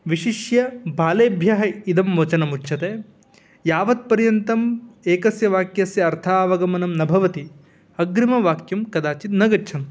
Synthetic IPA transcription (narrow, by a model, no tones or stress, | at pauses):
ʋiʃiʃjɐbʱaːleːbʱjaːɦɐid̪ɐmːʋɐt͡ʃɐnɐmutːʃʰɐt̪eː | jaːʋɐt̪̚pɐɾjɐnt̪ɐmeːkɐsjɐʋaːkjɐsjɐːɾt̪ʰaːʋɐɡɐmɐnɐmnɐbʱɐʋɐt̪i | ɐɡɾimɐʋaːkjɐmkɐd̪aːt͡ʃit̪nɐɡɐːt͡ʃʰɐnt̪